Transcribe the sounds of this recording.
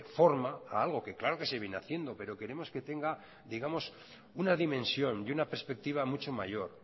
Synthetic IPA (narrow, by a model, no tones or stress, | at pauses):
fo̞ɾmaːalɣ̞o̞ke̞klaɾo̞ke̞se̞βjenaθje̞nd̪o̞pe̞ɾo̞ke̞ɾe̞mo̞ske̞t̪e̞ŋɡa | d̪iɣamo̞s | unaðimẽ̞nsjo̞ndunapeɾspe̞k̚t̪iβ̞amut͡ʃo̞maʝo̞ɾ